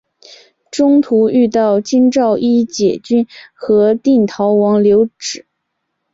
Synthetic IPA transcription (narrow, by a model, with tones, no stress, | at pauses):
ʈ͡ʂʊ˥ŋt̪ʰu˧˥y˥˧t̪ɑ˥˩ʊt͡ɕi˥nʈ͡ʂɑ˥˩˧ʊʔi˥t͡ɕjɛ˨˩t͡ɕy˥nxɤ˧˥t̪i˥˩nt̪ʰɑ˧˥ʊwɑ˧˥ŋljo˧˥ʊʈ͡ʂɻ̩˨˩˦